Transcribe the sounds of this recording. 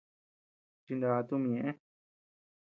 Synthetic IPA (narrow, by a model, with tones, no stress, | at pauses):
t͡ʃi˧nd̪a˧t̪u˦mĩ˧ɲẽ˧ʔẽ˦